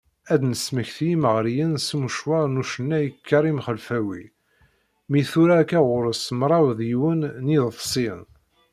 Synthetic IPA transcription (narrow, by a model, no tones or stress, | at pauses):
æd̪nəsməçθjiməʁɾjənsmuʃwɑɾˤnuʃənːæjəkʰːɑɾˤimχəlfæwḭ | miθuɾakæʁʊɾəsmɾˤɑwðjwənːiððˤsˤin